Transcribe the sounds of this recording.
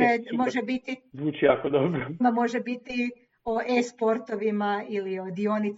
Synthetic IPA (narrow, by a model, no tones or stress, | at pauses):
emo̞ʒebit̪izuːt͡ʃijakod̪obɾomamo̞ʒebit̪i | oʔespo̞ɾt̪oʋimailiod̪io̞nit̪